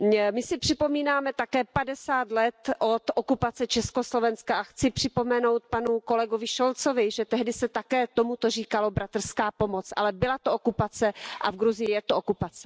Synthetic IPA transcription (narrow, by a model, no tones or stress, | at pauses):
mɪsɪpr̝̥ɪpo̞miːnaːmɛt̪akɛːpadɛsaːt̪lɛt̪ʔot̪ʔokupat͡sɛt͡ʃɛsko̞slo̞vɛnskaʔaxt͡sɪpr̥ɪpo̞mɛno̞wt̪̚panuko̞lɛɡovɪʃolt͡sovɪʒɛt̪ɛɦdɪsɛt̪akɛːt̪omut̪or̝iːkalo̞bɾat̪r̩skaːpomot͡sʔa̰lɛbɪlat̪oʔokupat͡sɛʔa̰vɡɾuzɪjɪjɛt̪ookupat͡sɛ̥